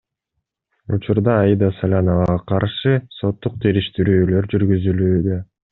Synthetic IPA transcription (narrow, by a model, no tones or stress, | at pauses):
ṵt͡ʃuɾd̪ɑːjid̪ɑsalʲanovɑʁɑqʰɑɾʃɯso̞t̪ːuq̚t̪ʰiɾiʃt̪iɾyːlø̞ɾd͡ʒyɾɡyzylyːd̪ø̞